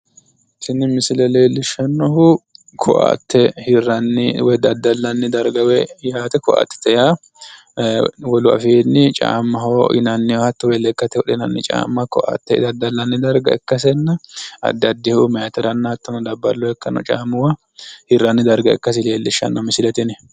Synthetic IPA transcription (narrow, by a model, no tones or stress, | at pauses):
sɪnːɪmɪsɪlɛle̞ːlːɪʃːɐnːɔɦʊ | kʰɔ̰ʔa̰t̪ːɛhɪrːɐnːɪwɛd̪ɐd̪ːɐlːɐnːɪd̪ɐɾɡɐwɛjaːt̪ɛkɔʔa̰t̪ːɪ̥t̪ːɛja | wɔlʊɐ̰feːnːɪt͡ʃʼa̰ːmːɐɦoʔɪ̰nɐnːɪhɔhɐt̪ːɛwɛlɛkːɐt̪ːɛwɔɗɛnɐnːɪt͡ʃʼa̰ːmːɐkɔʔa̰t̪ːɛd̪ɐd̪ːɐlːɐnːɪd̪ɐɾɡɐ̰ɪkːɐs̬ɛnːɐɐ̰d̪ːɐd̪ːɪhʊmɛjt̪ɛɾɐnːɐt̪ːɐnɔd̪ɐbːɐlːɔɛkːɐnːɔ̰t͡ʃʼa̰ːmːʊwɐ | hɪrːɐnːɪd̪ɐɾɡɐɪ̰kːɐs̬ɪle̞ːlːɪʃːɐ̰nːɔmɪsɪlɛt̪ɪnɛ